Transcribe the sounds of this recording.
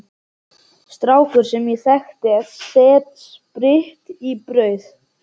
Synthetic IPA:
st̪ɾaːwfʏɾ̥sɛmjɛθɛxt̪ɪɛðsɛːt̪s | pɾɪht̪ipɾœːɥθ

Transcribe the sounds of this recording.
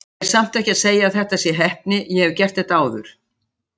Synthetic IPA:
ɛɾ̥sam̥t̪ɛhcɪaðseːjaðθɛht̪asjɛɦɛhp̚nɪjɛhɛvcɛr̥t̪ɛht̪aːwðʏɾ̥

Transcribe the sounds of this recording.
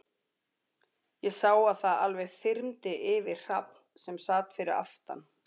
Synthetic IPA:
jɛɣsaːwaðθaðalvɛɣθɪɾmt̪ɪʔɪvɪ̥r̥apnsɛmsaːt̪fɪɾɪɾa̰ft̪a̰n

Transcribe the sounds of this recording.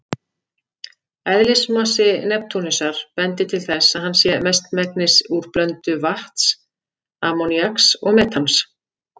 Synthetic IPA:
ɛðlɪsmasɪnɛp̚t̪ʰunɪsaɾ̥pɛnt̪ɪt̪ʰɪlθɛsaðɦanːsjɛmɛst̪mɛk̚nɪsuɾ̥plœnt̪ʏvaht̪s | aːmɔniaksɔɣmɛːt̪ʰans

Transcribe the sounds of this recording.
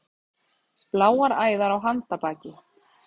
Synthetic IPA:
plaːwaɾaːjðaɾawɦant̪apaːcɪ

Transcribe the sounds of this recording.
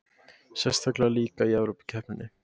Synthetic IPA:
sɛst̪ʰaklaliːkaiɛvɾowpi̥cʰɛhpnɪnːɪ

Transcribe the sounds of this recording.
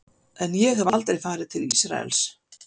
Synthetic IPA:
ɛnjɛɣavalt̪ɾejfaːɾɪðt̪ʰɪlisɾa̰ɛ̰ls

